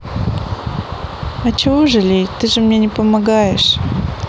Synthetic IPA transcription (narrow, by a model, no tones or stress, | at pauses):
ɐt͡ɕɪvoʐɨlʲet̪ɨʐɨmnʲenʲɪpəmɐɡajɪʂ